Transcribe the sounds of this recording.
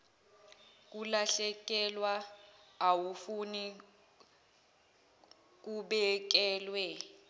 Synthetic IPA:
k̬ulaɬɛk̬ʼɛlwaː | wufuni | k̬uɓɛk̬ɛːlwɛ

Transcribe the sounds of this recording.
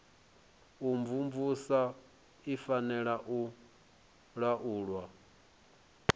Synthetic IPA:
umvumvusa | ifanɛɺaʔu | ɺaʔuːɺwa

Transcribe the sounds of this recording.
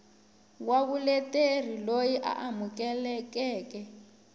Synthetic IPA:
kwaβulɛter̤ilojiʔa̰ʔamukɛlɛkɛːkɛ

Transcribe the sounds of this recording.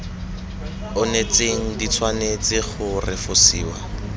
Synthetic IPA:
ʊnet͡seŋ̩dit͡sʰwanet͡sʼɪχʊrɪfʊsiːwa

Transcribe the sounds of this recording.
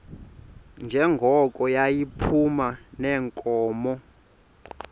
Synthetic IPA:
nd͡ʒʱɛŋɡʱɔkʼɔjajipʰumanɛːŋkʼɔːmɔ

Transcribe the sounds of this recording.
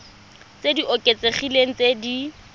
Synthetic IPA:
t͡sediʔokʼet͡sʼeχileŋ̩t͡sedi

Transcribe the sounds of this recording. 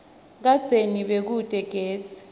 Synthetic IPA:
k̬ḁd͡zʱeniɓek̬ud̥ʼʱɛɡ̥ʱeːsi̥

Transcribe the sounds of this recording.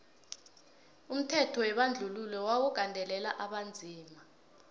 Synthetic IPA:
um̩tʰɛtʰɔwɛɓand͡ɮʱululɛwawɔɡ̥ʱandʱɛlɛlaʔaɓand͡zʱiːma

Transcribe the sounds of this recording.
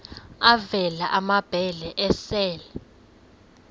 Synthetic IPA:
avɛlaʔamab̥ʱɛlɛʔɛsɛːlɛ

